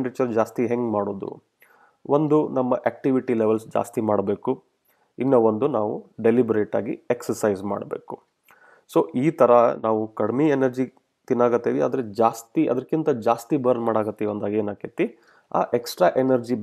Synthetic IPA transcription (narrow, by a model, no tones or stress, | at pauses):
ɳɖɾit͡ʃɐɾd͡ʒaːst̪iɦeŋɡmaːɽo̞ːd̪ṵ | ʋond̪unɐmːɐʔeːk̚ʈiʋiʈileʋelsd͡ʒa̰ːst̪imaːɽbe̞ːku | inːɐond̪unaːʋuɖe̞libɾeːʈa̰ːɡḭeksɐɾsɐjzma̰ːɽbe̞̰ːku | soːʔiːt̪ɐɾɐnaːʋukɐɽmienɐɾd͡ʒi | t̪inːaːɡɐt̪ːeːʋia̰ːd̪ɐɾed͡ʒaːst̪iʔɐ̰d̪ɐɾkint̪ɐd͡ʒaːst̪ibɐɾnmaːɽaːɡɐt̪ːiʋɐnd̪aːɡeːnaːket̪ːi | a̰ːʔeksʈɾaːʔenɐɾd͡ʒi